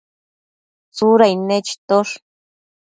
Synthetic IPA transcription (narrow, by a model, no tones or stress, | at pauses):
t͡suɾajnet͡ʃi̥t̪oʂ